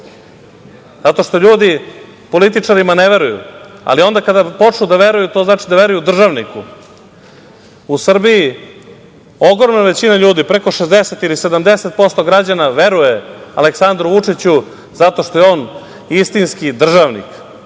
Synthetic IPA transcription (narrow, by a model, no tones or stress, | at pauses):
zat̪o̞ʂt̪o̞ʎuːd̪i | po̞lit̪it͡ʂaɾimaneʋe̞ɾujṵa̰lio̞nd̪akad̪apo̞t͡ʂɲud̪aʋe̞ɾujut̪o̞znaːt͡ʃid̪aʋe̞ɾujud̪r̩ʒaʋniku | usr̩biji | o̞ɡɾomnaʋe̞t͡ɕinaʎuːd̪ipɾeko̞ʂezd̪eset̪ilise̞d̪amd̪eset̪̚po̞st̪o̞ɡɾad͡ʑanaʋe̞ɾujea̰leksand̪ɾuʋut͡ʂit͡ɕu | zat̪o̞ʃt̪ojeo̞ːn | ist̪inskid̪r̩ʒaʋnḭk